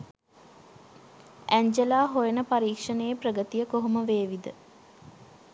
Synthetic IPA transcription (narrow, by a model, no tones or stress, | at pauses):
æɲd͡ʒelaːɦojenəpaɾiːkʂənəjeprəɡət̪ijəkoɦuməʋeːʋid̪ə